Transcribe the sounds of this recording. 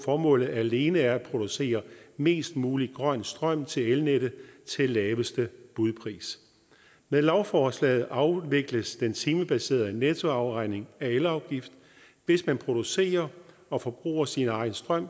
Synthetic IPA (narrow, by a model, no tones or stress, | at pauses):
fɒːmɔ̰̽ːlð̩ˠæle̝ːnəæɐæ̥pʰʁo̝d̥use̝̰ːɐme̝̰ːsd̥muːliɡ̥ʁɶn̰̥sd̥ʁɶm̰t͡sʰe̝lelneɾ̥ət͡sʰe̝lːɛːʋəsd̥əb̥uðˠpʰʁḭːs | meðˠlɑʊfɒːslɛ̰ːð̩ˠʔɑ̈ʊʋe̝ɡ̥ləsd̥ent͡sʰiːməb̥æse̝̰ːɐð̩ˠnet͡sʰo̝ɑ̈ʊʁɑ̈ɪ̰ne̝ŋæelɑ̈ʊɡ̥ifd̥ | ʋe̝smænpʰʁo̝d̥use̝̰ːɐ | ɒ̽fɒ̽b̥ʁṵːɐsinɑ̈ɪn̩sd̥ʁɶm̰